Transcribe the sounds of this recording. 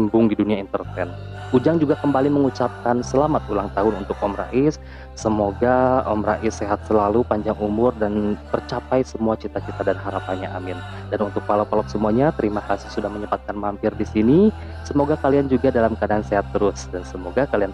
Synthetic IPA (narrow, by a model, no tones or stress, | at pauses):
imbʊŋdiduniaint̪ərt̪ɛn | ud͡ʒaŋd͡ʒuɡakəmbaliməŋut͡ʃap̚kansəlamat̪ulaŋt̪aɦʊnṵnt̪ʊk̚ɔmɾa̰ʔɪsː | əmoɡaɔ̰mraʔɪsːeɦat̪̚səlalupaɲd͡ʒaŋumʊrdant̪ərt͡ʃapajsəmuat͡ʃit̪at͡ʃit̪adanɦaɾapaɲaʔamɪn | danunt̪ʊk̚palɔpalɔk̚səmuaɲat̪əɾimakasɪ̥hsudahməɲəbat̪̚kanmampɪrdisini | səmoɡakaliand͡ʒuɡadalamkadaanseɦat̪ːəɾʊsdansəmoɡakalian